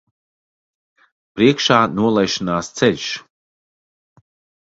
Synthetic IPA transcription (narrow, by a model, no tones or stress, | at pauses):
pɾiɛkʃaːnuɔlˠɛjʃinaːst̪sɛʎʲʃ